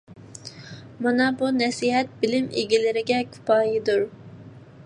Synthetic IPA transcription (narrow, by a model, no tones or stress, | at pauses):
mɑnɑbunɛsiːɦɛt̪̚bilɪmʔḭɡʲilɪɾɪɡʲɛkʲʰy̥pɑːjid̪uɾ